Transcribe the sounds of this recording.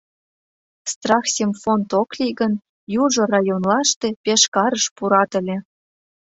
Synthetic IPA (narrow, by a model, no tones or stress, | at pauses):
st̪rɑxsʲemfont̪oklʲiɣən | juʒŏrɑjonlɑʃt̪e̽pʲeʃkɑɾəʃpuɾɑt̪ə̆lʲĕ